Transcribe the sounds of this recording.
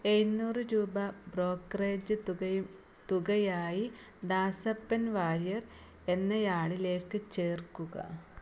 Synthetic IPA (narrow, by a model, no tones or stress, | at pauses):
enːuːrɨɾuːbɐbro̞ːkːɐreːd͡ʑɨ | t̪uɣɐjaːji | d̪aːsɐpːɐnʋaːɾjɐr | e̞nːɐjaːɭile̞ːkːɨt͡ɕeːrkːuɣɐ̰